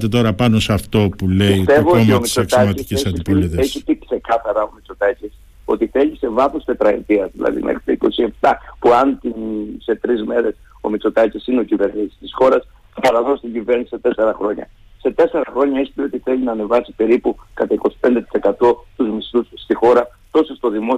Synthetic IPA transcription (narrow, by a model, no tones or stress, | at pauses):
t̪et̪o̞ɾɐpɐnosɐft̪o̞puleist̪e̞vooomiomisok̪ɐɐc̪isciesɐdiipoleðeçit̪ikse̞kɐθɐɾɐo̞mit͡sot̪ɐcis | o̰t̪iθe̞lise̞vɐθo̞st̪e̞t̪ɾɐḛt̪iɐzðilɐ̰ðḭmʔḛxɾi̥t̪eiko̞sie̞pt̪ɐpuɐnt̪inse̞t̪ɾizme̞ɾe̞s | o̞̰mit͡so̞t̪ɐcisineo̞cive̞ɾnisi̥st̪isxo̞ɾɐs | ɐpɐɾɐðo̞st̪iɟive̞ɾnisiset̪e̞se̞ɾɐxɾo̞ɲɐ̰ | se̞t̪e̞se̞ɾɐxɾo̞ɲɐispio̞t̪iθe̞linɐːne̞vɐsi̥pe̞ɾipukɐt̪ɐiko̞si̥pe̞nd̪et̪i̥se̞kɐt̪o̞t̪uzmist̪usːt̪ixo̞ɾɐ | t̪o̞sost̪o̞ðimo̞